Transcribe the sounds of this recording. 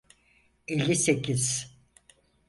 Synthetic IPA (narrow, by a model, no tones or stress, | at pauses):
elʲːisecʰiz̥